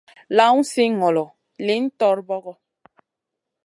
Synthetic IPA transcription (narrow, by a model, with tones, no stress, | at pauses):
la˦wn̩˦si˦ŋɔ˨lɔ˨ | li˨˦n̩˦tɔ˦ɾbɔ˦ɣɔ˦